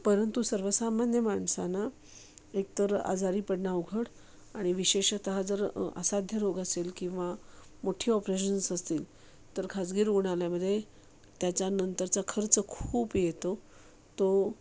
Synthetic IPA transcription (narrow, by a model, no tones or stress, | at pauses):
pəɾənt̪usəɾʋəsamanjəmaɳsana | ek̚t̪əɾa̰d͡zaɾiːpəɽnauɡʱəɽ | aɽ̃iʋiɕeɕt̪əɦad͡zəɾa̰sad̪ʱjəɾoɡaselkĩw̃ʋamoʈʰiːɔpɾeɕ̬ənsəst̪iːl | t̪əɾkʰad͡zɡiːɾuɽ̃aljaməd̪ʱːje | t̪jat͡ɕjanənt̪əɾt͡sakʰəɾt͡səkʰuːpjet̪o | t̪o